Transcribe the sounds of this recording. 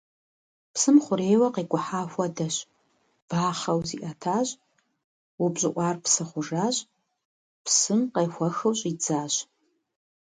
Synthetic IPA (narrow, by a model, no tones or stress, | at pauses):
pʰsɨmχʷʊɾejwɐqiɡʷʼʊħaːxʷɐdɐɕ | b̥aːχɐwziʔatʰaːɕʼ | ubʑɪʔʷʼarpʰsɨχʷʊʐaɕʼ | pʰsɨmqejxʷɐxɨwɕʼid͡zaːɕ